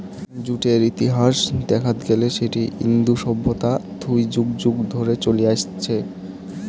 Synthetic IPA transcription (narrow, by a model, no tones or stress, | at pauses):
d͡ʑuʈeɾit̪iɦaʃd̪ɛkʰat̪ɡeleʃeʈiḭnd̪uʃɔbʱːot̪at̪ʰujd͡ʑuɡd͡ʑuɡd̪ʱoɾet͡ɕoliaʃt͡ɕʰe